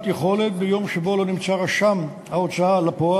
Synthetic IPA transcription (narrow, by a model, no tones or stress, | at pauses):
t̪jeχo̞le̞t̪bejo̞mʃebo̞lo̞nimt͡saʁaʃam | haot͡saalapoa